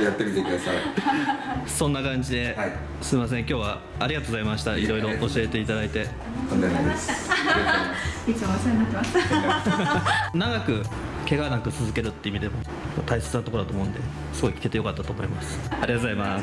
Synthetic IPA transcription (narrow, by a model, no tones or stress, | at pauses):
jat̪ːe̞mʲit̪ekɯd̪asai | sõ̞nːakãɲ̟d͡ʑid̪e̞ | sɨimas̬ẽ̞ŋkʲo̞ːβaː | ɾʲiɡat̪oɣozaimaɕi̥t̪aiɾo̞iɾo̞ʔːɕie̞t̪e̞it̪ad̪ait̪e̞ | kand̪ad̪ | it͡ɕoaseɲinat̪ːemast̪a | naɡakɯ̟ke̞ɡanakɯ̟t͡sɨzɨke̞ɾɯ̟t̪ːe̞imʲid̪e̞mo̞ | mat̪aise̞̥t͡sɨnat̪okoɾt̪omo̞ɯ̟̃nd̪e̞ | sɨɡo̞ikʲi̥ke̞t̪ejo̞kat̪ːat̪oːmo̞imasɨ̥aɾʲiɡat̪ozaima